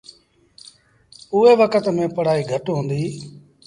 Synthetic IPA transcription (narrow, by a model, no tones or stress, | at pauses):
ʊeːʋəkʰət̪mẽːpəɽ̤aːiːɡʱəʈɦõːnd̪iː